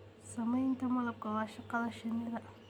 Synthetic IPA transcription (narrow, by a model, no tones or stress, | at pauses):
sɐmɐjnt̪ʰɐmɐlɐb̚kʰɐwaːʃɐqɑðɐʃɐnɪɾɐ